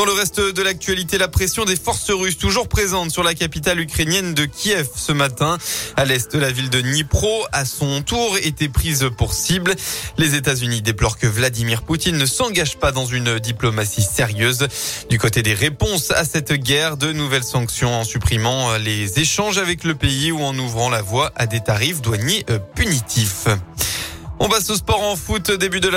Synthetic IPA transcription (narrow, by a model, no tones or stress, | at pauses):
d̪ɑ̃ləʁɛst̪d̪əlak̚t̪ɥalit̪elapχesjɔ̃d̪efɔʁsəʁyst̪uʒuʁpχezɑ̃t̪syʁlakapit̪alykχenjɛnd̪əkʲʰiɛfsəmat̪ɛ̃alɛst̪̚d̪əlavild̪ənipχoasɔ̃t̪uʁet̪epχizpuʁsibllezet̪azynid̪eplɔʁkəvlad̪imiʁput̪inːəsɑ̃ɡaʒpad̪ɑ̃zynd̪iplɔmasiseʁjøzd̪ykot̪ed̪eʁepɔ̃sa̰sɛt̪ɡʲɛʁd̪ənuvɛlsɑ̃ksjɔ̃ɑ̃sypχimɑ̃lezeʃɑ̃ʒavɛkləpeiuɑ̃nuvʁɑ̃lavwaʔad̪et̪aʁifd̪waɲeʔpynit̪ʰif | ɔ̃pasospɔʁɑ̃fut̪od̪ebyd̪əl